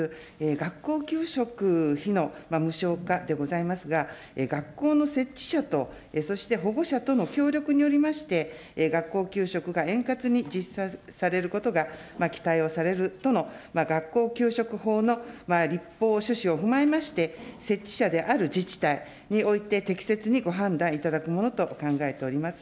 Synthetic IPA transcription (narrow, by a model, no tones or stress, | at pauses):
eːɡakːo̞ːkʲɨːɕo̞kɯ̟çino̞mamɯ̟ɕo̞ːkad̪e̞ɡo̞zaimasɨɡa | eɡakːo̞ːno̞se̞t͡ɕːi̥ɕat̪o̞ | eso̞ɕi̥t̪e̞ɦo̞ɡo̞ɕat̪o̞no̞kʲo̞ːɾʲo̞kɯ̟ɲ̟io̞ɾʲimaɕi̥t̪e̞ | ɡakːo̞ːkʲɨːɕo̞kɯ̟ɡaẽ̞ŋkat͡sɨɲ̟id͡ʑisasaɾe̞ɾɯ̟ko̞t̪o̞ɡamakʲi̥t̪aio̞saɾe̞ɾɯ̟t̪o̞no̞maɡakːo̞ːkʲɨːɕo̞kɯ̟ɦo̞ːnomaɾʲipːo̞ːɕɨɕio̞ɸɯ̟mae̞maɕi̥t̪e̞se̞t͡ɕːi̥ɕad̪e̞ʔaɾɯ̟d͡ʑit͡ɕi̥t̪ai | ɲ̟io̞it̪e̞t̪e̞kʲi̥se̞t͡sɨɲ̟iɡo̞ɦãnd̪ãɰ̃it̪ad̪akɯ̟mo̞no̞t̪o̞kãŋɡae̞t̪e̞o̞ɾʲimasɨ̥